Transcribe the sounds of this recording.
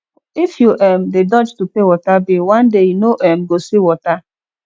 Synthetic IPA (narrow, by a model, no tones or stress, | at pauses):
ifjuʔɛm̩dedɔd͡ʒtupewɔtabiwãndejunoʔɛm̩ɡosiwɔta